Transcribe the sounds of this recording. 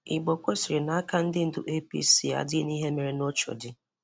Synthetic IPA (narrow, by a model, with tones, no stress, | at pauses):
ɪ̰˨ɡ͡bo˨kʷo˦si˨ɾɪ˨na˨˦a˦ka˦n̩˦dɪ˦n̩˦dʊ̰˦ʔe˦pḭ˦si˦a̰˨dɪ˦ni˦ɦe˦me˨ɾe˨no˦t͡ʃo̰˨dɪ˦